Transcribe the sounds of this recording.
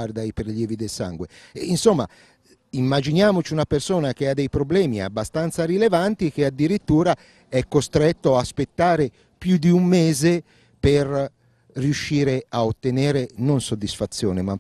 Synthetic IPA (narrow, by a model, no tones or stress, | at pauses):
ard̪aipɾeljɛːvid̪elsa̰ŋɡweinsomːa | imːad͡ʒinjaːmot͡ʃiunapersoːnak̟ead̪ːɛjpɾoblɛːmia̰bːast̪ant̪saɾilevant̪ik̟ead̪ːiɾit̪ːuːɾa | ɛkːost̪ɾɛt̪ːoaːspet̪ːaːɾe | pjud̪iumːeːze | per | riuʃːiːɾeaot̪ːeneːɾenonsod̪ːisfat̪sːjoːnema